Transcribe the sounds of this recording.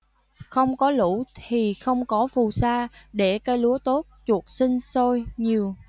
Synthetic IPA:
xə˧wŋ͡mkɔ˨˦lṵ˧˩t̪ʰi˨˩xə˧wŋ͡mkɔ˨˦fu˨˩saː˧ɗe˧˩ka˧jlu˨˦ət̪o˦˥t̚t͡ɕu˨˩ək̚si˧ŋ̟so˧jɲi˨˩əw

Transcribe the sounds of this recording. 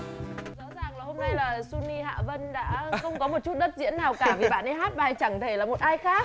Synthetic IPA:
zɔ̰˧˥zaː˨˩ŋlaː˨˩ho˧mna˧jlaː˨˩swi˧ni˧ɦa̰ː˧˨və˧nɗa̰ː˧˥xə˧wŋ͡mkɔ˨˦mo˨˩t̚t͡ɕu˦˥t̚ɗə˦˥t̚zḭ˧˥ənːaː˨˩wkaː˧˩vi˨˩ɓa̰ː˧˨nʔə˧jɦaː˦˥t̚ɓaː˨˩˨jt͡ɕa˧˩ŋt̪ʰe˧˩laː˨˩mo˨˩t̚ʔaː˧jxaː˦˥k̚

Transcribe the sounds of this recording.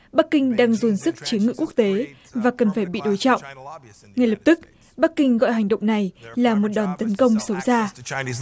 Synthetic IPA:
ɓa˦˥k̚kï˧ŋ̟ɗaː˧ŋzo˨˩nsɨ˦˥k̚t͡ɕi˨˦əŋɨ̰˧˨ku˦˥ək̚t̪e˨˦ | vaː˨˩kə˨˩nfaː˧˩jɓḭ˧˨ɗo˨˦jt͡ɕɔ̰˧˨wŋ͡m | ŋa˨˩jlə˨˩p̚t̪ɨ˦˥k̚ | ɓa˦˥kːï˧ŋ̟ɣɔ̰˧˨jɦa˨˩jŋ̟ɗə̰˧˨wŋ͡mna˨˩jlaː˨˩mo˨˩t̚ɗɔ˨˩nt̪ə˨˦nkə˧wŋ͡msə˨˦wzaː˧

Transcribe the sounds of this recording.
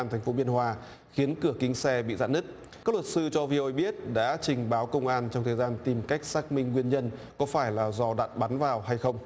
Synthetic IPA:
a˧nt̪ʰŋ̟fo˨˦ɓi˧ənɦwaː˧ | xi˨˦ənkɨ˧˩əkï˨˦ŋ̟sɛ˧ɓḭ˧˨za̰ː˧˥nɨ˦˥k̚ | aː˦˥k̚lwə˨˩t̚sɨ˧t͡ɕɔ˧vi˧o˧jɓi˦˥ət̚ɗa̰ː˧˥t͡ɕï˨˩ŋ̟ɓaː˨˦wkə˧wŋ͡mʔaː˧nt͡ɕɔ˧wŋ͡mt̪ʰəː˨˩jzaː˧nt̪i˨˩mka˦˥jk̟̚saː˦˥k̚mï˧ŋ̟ŋwi˧ənɲə˧nkɔ˨˦faː˧˩jlaː˨˩zɔ˧ɗa̰ː˧˨t̚ɓa˨˦nvaː˨˩wɦa˧jxə˧wŋ͡m

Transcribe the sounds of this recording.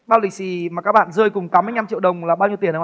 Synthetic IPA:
ɓaː˧wli˨˩k̚si˨˦maː˨˩kaː˦˥k̚ɓa̰ː˧˨nzɨ˧əjkʊ˨˩ŋ͡mt̪aː˨˦mːɨ˧jɲa˧mt͡ɕḭ˧˨wɗə˨˩wŋ͡mlaː˨˩ɓaː˧wɲi˧ət̪i˧˩ə˨ə˧˦˧

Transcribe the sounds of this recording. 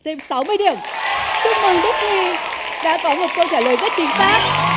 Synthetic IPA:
sɛ˧msa˨˦wmɨ˧əjɗi˨˩əmsɨ˦˥k̚mə˨˩ŋɗi˦˥k̚ɲi˧ | ɗa̰ː˧˥kɔ˨˦mo˨˩t̚kə˧wt͡ɕaː˧˩jləː˨˩jzə˦˥t̚t͡ɕï˨˦ŋfaː˦˥t̚

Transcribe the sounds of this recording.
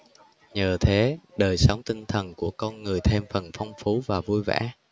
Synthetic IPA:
ɲəː˨˩t̪ʰe˨˦ɗəː˨˩jsə˨˦wŋ͡mt̪ï˧ŋt̪ʰə˨˩nku˧˩əkɔ˧nŋɨ˨˩əjt̪ʰe˧mfə˨˩nfɔ˧wŋ͡mfu˨˦vaː˨˩vu˧jva̰ː˧˥

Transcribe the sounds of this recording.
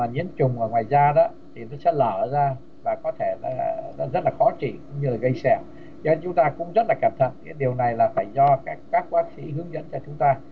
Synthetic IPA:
maː˨˩ɲḭ˧˥ənt͡ɕʊ˨˩ŋ͡mʔəː˧˩ŋwaː˨˩jzaː˧ɗɔ˨˦ | t̪ʰi˨˩nɔ˨˦sɛ̰˧˥ləː˧˩zaː˧ | vaː˨˩kɔ˨˦t̪ʰe˧˩a˨˧zə˦˥t̚laː˨˩xɔ˨˦t͡ɕḭ˧˩˨kʊ̰˧˥ŋ͡mɲɨ˧laː˨˩ɣə˧jsɛ̰˧˩w | zɔ˨˧˦t͡ɕʊ˨˦ŋ͡mt̪aː˧kʊ̰˧˥ŋ͡mzə˦˥t̚laː˨˩ka˧˩mt̪ʰə̰˧˨nkaː˨˦ɗi˨˩əwna˨˩jlaː˨˩faː˧˩jzɔ˧kaː˦˥kːaː˦˥k̚vaː˦˥k̚sḭ˧˥ɦɨ˨˦əŋzə̰˧˥nt͡ɕɔ˧t͡ɕʊ˨˦ŋ͡mt̪aː˧

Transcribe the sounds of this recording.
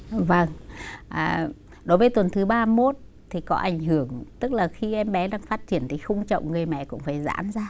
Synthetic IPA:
və˨˩ŋʔaː˨˩ | ɗo˨˦jvəː˨˦jt̪wə˨˩nt̪ʰɨ˨˦ɓaː˧mo˦˥t̚ | t̪ʰi˨˩kɔ˨˦ʔa˧˩jŋ̟hɨ˧˩əŋt̪ɨ˦˥k̚laː˨˩xi˧ʔɛ˧mɓɛ˨˦laː˧˩ŋfaː˦˥t̚t͡ɕi˧˩ənt̪ʰi˨˩xʊ˧ŋ͡mt͡ɕə̰˧˨wŋ͡mŋɨ˨˩əjmɛ̰˧˨kʊ̰˧˥ŋ͡mfaː˧˩jza̰ː˧˥mzaː˧

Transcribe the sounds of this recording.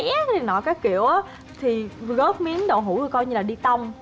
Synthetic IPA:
jʔɛ˦˥t̚i˨˩nɔ̰˧˨˩kaː˨˦jkḭ˧˨əwʔaː˨˦ | t̪ʰi˨˩ɣəː˦˥p̚mi˨˦ənɗo̰˧˨ɦṵ˧˩˦t̪ɨ˨˩kɔ˧jɲɨ˧laː˨˩ɗi˧t̪ə˧wŋ͡m

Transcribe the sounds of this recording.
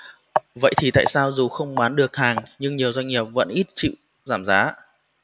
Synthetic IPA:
və̰˧˨jt̪ʰi˨˩t̪a̰ː˧˨jsaː˧wzu˨˩xə˧wŋ͡mɓaː˨˦nɗɨ˨˩ək̚haː˨˩ŋɲɨ˧ŋɲi˨˩əwzwa˧ŋ̟ŋi˨˩əp̚və̰˧˥nʔi˦˥t̚t͡ɕḭ˧˨w | zaː˧˩mzaː˨˦

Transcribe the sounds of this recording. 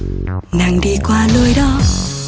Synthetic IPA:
na˨˩ŋɗi˧kwaː˧ləː˧jɗɔ˨˧˦

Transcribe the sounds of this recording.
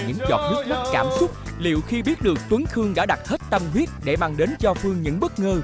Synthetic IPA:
ɲɨ̰˧˥ŋzɔ̰˨˩t̚mɨ˦˥t̚zə˦˥t̚kaː˧˩msʊ˦˥k͡p̚ | lḭ˧˨wxi˧ɓi˦˥ət̚ɗɨ˨˩ək̚t̪wə˨˦ŋxɨ˧əŋɗa̰ː˧˥ɗa˨˩t̚he˦˥t̚t̪ə˧mɦwi˦˥ət̚ɗe˧˩ma˨˧˩ŋɗe˨˦nt͡ɕɔ˧fɨ˧əŋɲɨ̰˧˥ŋɓə˦˥t̚ŋəː˧

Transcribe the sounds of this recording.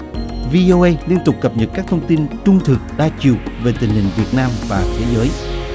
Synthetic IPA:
vi˧ʔo˧ʔə˧jli˧ənt̪ʊ˨˩k͡p̚kːə˨˩p̚ɲə˨˩t̚kaː˦˥k̚t̪ʰə˧wŋ͡mt̪i˧nt͡ɕʊ˧ŋ͡mt̪ʰɨ˨˩k̚ɗaː˧t͡ɕi˨˩əwve˨˩t̪ï˨˩ŋ̟hï˨˩ŋ̟vi˨˩ət̚naː˧mvaː˨˩t̪ʰe˨˦zəː˨˦j

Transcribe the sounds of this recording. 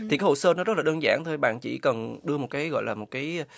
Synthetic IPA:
t̪i˨˩kaː˨˦ho̰˨˩səː˧nɔ˨˦zə˦˥t̚laː˨ɗəː˧nzaː˧˩nt̪ʰo˧jɓa̰ː˧˨nt͡ɕḭ˧˥kə˨˩nɗɨ˧əmo˨˩kaː˨˦jɣɔ̰˧˨jlaː˨˩mo˨˩t̚kaː˨˦j

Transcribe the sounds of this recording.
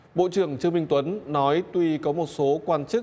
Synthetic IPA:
ɓo̰˧˨t͡ɕɨ˨˩əŋt͡ɕɨ˧əŋmï˧ŋ̟t̪wə˨˦nnɔ˨˦jt̪wi˧kɔ˨˦mo˨˩t̚so˨˦kwaː˧nt͡ɕɨ˦˥k̚

